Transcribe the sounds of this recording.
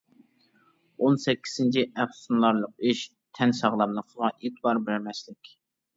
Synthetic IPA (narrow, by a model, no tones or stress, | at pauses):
onsɛkʲʰːi̥z̥ɪnt͡ʃʰiʔæpsunlˠɑɾlˠəq̚iʃ | t̪ʰɛnsɑʁlˠɑpnɨqʰʊʁɑʔet̪bɑɾbæɾmɛslɪkʲ